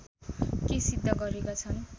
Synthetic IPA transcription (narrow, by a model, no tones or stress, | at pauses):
kesid̪ʱːʌɡʌɾekat͡sʰʌn